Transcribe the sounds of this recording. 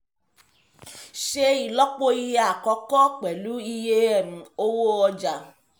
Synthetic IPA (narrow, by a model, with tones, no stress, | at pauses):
ʃe˧i˨lɔ˦k͡po˦i˧je˦a˦˨kɔ˧˦kɔ˦k͡pɛ˨lu˨˦i˧je˦ɛ˦˨m̩̃˨˦o˦wo˦ɔ˧d͡ʒa˨